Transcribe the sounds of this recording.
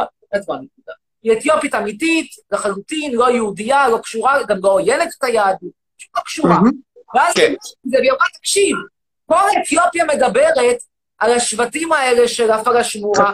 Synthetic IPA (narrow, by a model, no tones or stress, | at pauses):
a | etvanekud̪a | iet̪jo̞pitamititlaχalutinlo̞jeudialo̞kʃuʁaɡamlo̞jenete̥tajad̪ | ʃu̥tlokʃuʁaveazkizebejamat̪akʃiv | kolet̪jo̞pjame̞dabeʁe̞t | alaʃvatimae̞le̞ʃelafalaʃmua